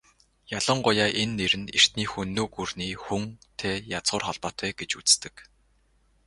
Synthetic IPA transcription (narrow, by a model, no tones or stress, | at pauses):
jaɮə̆ɴɢʊjaːʔenːeɾɘ̆ner̥t̪niːxunːoːɡurniːxuŋt̪ʰeːjat͡sχʊːrχɔɮpɔːt̪wæːɡet͡ɕut͡st̪ɘ̆k